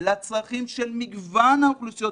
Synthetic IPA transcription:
lat͡sʁaχimʃelmiɡvanhaoklusijo

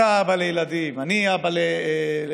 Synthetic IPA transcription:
abɐleilɐd̪imɐniabɐle

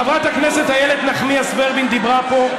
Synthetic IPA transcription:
avʁat̪hakneset̪hajelet̪naχmiasbeʁbind̪ibʁapo̞

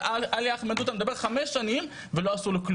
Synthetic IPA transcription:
ʔaljaχmad̪ut̪amed̪abe̞ʁχameʃːanim | veloasulekl

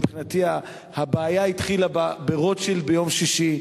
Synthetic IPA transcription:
pχinat̪ia | habaːjait̪χilababeʁo̞t͡ʃʃelbejo̞mʃiʃi

